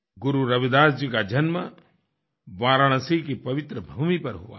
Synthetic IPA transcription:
ɡʊɾuɾɐʋid̪aːsd͡ʒikad͡ʒɐnmɐ | ʋaːɾaɳ̃ɐsikipɐʋɪt̪ɾəbʱuːmipɐɾɦʊʋa̰ː

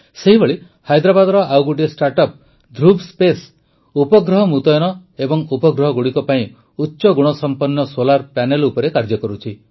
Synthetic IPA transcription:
seɦibeɭi | hajd̪ɾabad̪ɔɾɔʔawɡuʈ̬isʈaɾʈɔp̚ | d̪ʱɾubspes | upɔɡɾɔɦɔmut̪ɔjɔnɔebɔŋupɔɡɾɔɦɔɡuɽikɔpaĩ | utːʃɔɡuɽ̃ɔsɔmpɔnːɔsolaɾpanelupɔɾekaɾd͡ʒɔkɔɾut͡ʃʰi

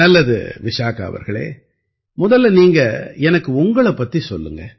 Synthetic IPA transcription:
ɐlːɐðɯ̰ʋɪʂaːkɐɐ̰ʋɐ̰ɾɣɐɭḛː | mʊðɐlːniːŋɡɐɛnɐkːɯʊŋɡɐɭɐpːɐt̪ːisɔlːɯŋɡɐ

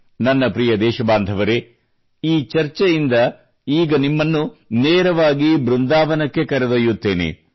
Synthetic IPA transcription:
nɐnːɐpɾijɐd̪ɛːʃɐbaːnd̪ʱɐʋɐɾe | iːt͡ʃɐɾt͡ʃɛjind̪ɐ | iːɡɐnimːɐnːuneːɾɐʋaːɡibɾund̪aːʋɐnɐkːe̞kɐɾɛd̪ojːut̪ːe̞ːnḛ

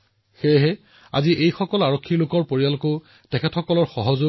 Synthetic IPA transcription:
xeɦɛ | a̰ziʔejxɔkɔlaɹɔkʰːilʊkɔɹpoɹijaloko | tɛkʰɛtxɔkɔlɔɹxɔɦɔzo

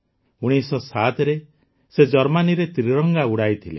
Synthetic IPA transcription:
uɽ̃isɔsat̪ɾe | sed͡ʒɔɾmaniɾet̪ɾiɾɔŋɡauɽajt̪ʰilḛ

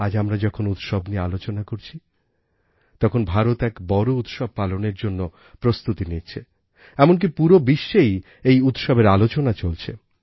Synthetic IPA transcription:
ad͡ʑamɾad͡ʑɔkʰonut̪ʃɔbniealot͡ɕonakoɾt͡ɕʰi | t̪ɔkʰonbʱaɾot̪ɛkbɔɾout̪ʃɔb̚paloneɾd͡ʑonːo | pɾost̪ut̪init͡ɕʰe | ɛmonk̬ipuɾobiʃːej | ejut̪ʃɔbeɾalot͡ɕonat͡ɕolt͡ɕʰḛ

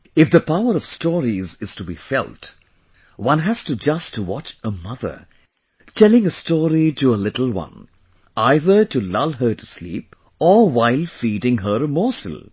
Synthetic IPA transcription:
ɪfd̪əpaʊəɾʌv̥stɔːɹizɨz̥tubḭfɛ̰lˠt | wʌ̃nɦæz̥tud͡ʒʌstʰuwɑt͡ʃəmʌðə̰˞ | tʰɛlɪ̃ŋəstɔːɾiʈuəlɪɾl̩ˠwʌ̰̃n | aɪðə˞tulʌvɦə˞tuslḭːp | ɔwaɪlˠfiɾɪ̃ŋɦəɾəmɔsl̩ˠ

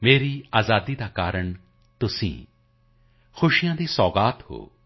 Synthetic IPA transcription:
meːɾiaːzaːd̪id̪akaːɾəɳ̃ | t̪ʊsḭ̃ː | xʊʃijãːd̪isɔːɡaːt̪ho̰ː

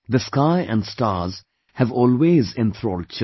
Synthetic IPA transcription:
d̪əskaɪʔæ̰̃nsʈaːɾz̥ | hævɔːlweːzɪ̃nt̪ʰɾoːlɖ̚t͡ʃ

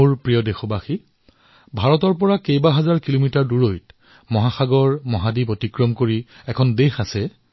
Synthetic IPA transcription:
uɹpɹijɔdexɔbaxi | bʱaɹɔtɔɹpɔɹakejbaɦazaɹkilomitaɹduɹojt | mɔɦaxaɡɔɹmɔɦadipotikɹɔmkoɹi | ɛkʰɔndexasɛ

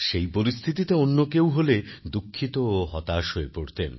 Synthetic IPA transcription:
ʃejpoɾist̪ʰit̪it̪eonːokewɦoled̪ukʰːit̪ooɦɔt̪aʃoepoɽt̪en

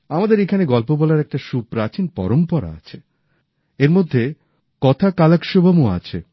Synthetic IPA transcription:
amad̪eɾekʰaneɡɔlpobɔlaɾɛk̚ʈaʃupɾat͡ɕinpɔ̰ɾompɔɾa̰a̰t͡ɕʰe | eɾmod̪ʱːe | kɔt̪ʰakalakʃobamoa̰t͡ɕʰe

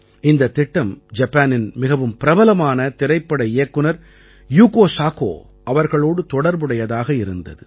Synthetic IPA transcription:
ɪnd̪ɐt̪ːɪʈːɐmd͡ʒɐpːaːnɪnmɪɣɐʋɯmpɪɾɐbɐlɐmaːnɐt̪ɪɾɐɪpːɐɽɐeːkːɯnɐɾ | juːkoːsaːko̰ː | ɐʋɐɾɣɐɭoːɽɯt̪ɔɽɐɾbɯɽɐjɐðaːɣɐɪɾɯnd̪ɐ̰ðɯ

